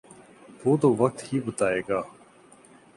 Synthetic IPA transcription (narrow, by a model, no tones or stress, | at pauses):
t̪oːt̪oːʋək̚t̪hiːbət̪aːeːɡaː